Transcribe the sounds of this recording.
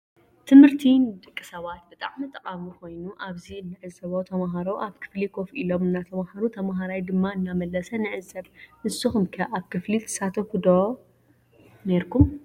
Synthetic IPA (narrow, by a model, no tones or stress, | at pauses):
t̪ʰɨmhɨɾt̪ʰind̪ʼɨkʼːɨsɐβat̪̚bɨt̪ʼaʕmit̪ʼɐqʼamikʰo̞jnuʔaβziɨnːɨʕɨzsɐβot̪ʰɐmaɦaɾoʔaβkʰɨ̥flikʰo̞filo̞mɨnːat̪ʰɐmhaɾut̪ʰɐmɦaɾajd̪ɨmːaɨnːamɐlːɐsɐnɨʕɨzɨsɐβnɨsɨxumkʰɐʔaβkʰɨflit̪ʰɨ̥sat̪ʰɐfud̪o | ne̞ɾkʰum